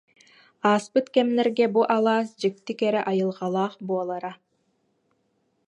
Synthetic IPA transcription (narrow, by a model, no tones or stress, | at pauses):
aːspɯt̪kɛmnɛɾɡɛbuʔalˠaːsd͡ʑik̚t̪ːikɛɾɛʔajɯlˠʁɑlˠaːχbuɔlˠaɾa